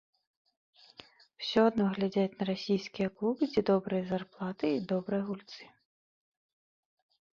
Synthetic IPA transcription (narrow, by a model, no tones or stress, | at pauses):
w̥sʲɔɔd̪nɔɦlʲɐdʲatʲnɐɾɔsʲijsʲkʲijɐklˠubɪt͡sʲid̪ɔbɾɨjizɐrplˠɑt̪ɪid̪ɔbɾɨjɦulʲt̪sɪ̥